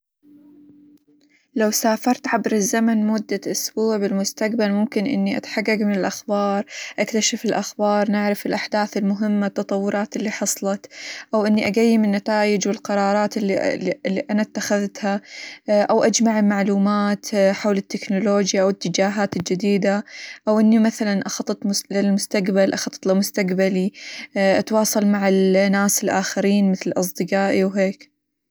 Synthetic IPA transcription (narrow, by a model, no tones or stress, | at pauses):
lawsaːfɑɾˤt̪ʕabɾɪzːamanmʊd̪ːaʔʊsbuːʕbɪlmʊst̪aqbalmʊmkɪnʔɪ̰nːiʔa̰t̪ḁħarːɑɡmɪnɪlʔaxbɑːɾˤʔakt̪aʃafɪlʔaxbɑːɾˤnɪʕɾˤɑfɪlʔaħd̪aːθɪlmʊɦɪmːat̪ːɑt̪ˤɑwːʊɾˤɑːt̪ɪlːiːħɑsˤlɑt̪ʔawʔɪnːiʔaɡajːɪmɪnːat̪aːjɪd͡ʒwɪlqɑɾˤɑːɾˤɑːt̪ː | lːiʔanat̪ːaxaðt̪ha | ʔawʔad͡ʒmaʕɪlmaʕluːmaːt̪ħawlɪt̪ːɪknʊloːd͡ʒjaʔawɪt̪ːɪd͡ʒaːɦaːt̪ɪld͡ʒɪd̪iːd̪aʔawʔɪnːimaθalanʔɑxɑt̪ˤːɨt̪ˤmlɪlmʊst̪aqbalʔɑxɑt̪ːˤt̪lɪmʊst̪aqbaliʔat̪wɑːsˤɑlmaʕɪlnːaːsɪlʔaːxaɾiːnmɪθlɪlʔɑs̬ˤd̪ɨqaːʔiwɦeːk